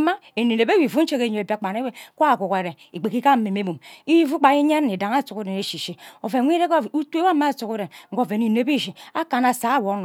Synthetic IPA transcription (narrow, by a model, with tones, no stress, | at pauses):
ma˦e˨ne˨ne˨be˦wi˨vu˦n̩˦t͡ʃe˦ke˨˦ɲo˨e˨ba˦k͡pa˨ne˦we˦kʷku˨ke˨ɾe˨ | i˨ɡ͡be˨ki˦ka˦m̩˦me˨me˦bu˨mi˦vu˦k͡pa˨i˦ɲe˦ɾne˨da˨ŋa˦˨˦tu˨ku˦de˨ne˨ʃi˨ʃi˦o˨ve˨ŋʷ˦i˦ɾe˦ko˦˨u˦te˦wa˦mːa˦˨su˨ku˦de˨ŋ̩˦ɡo˦˨ve˨ni˨ne˦bi˦ʃi˨a˦ka˨na˨sa˨˦a˦˨wo˨˦n˨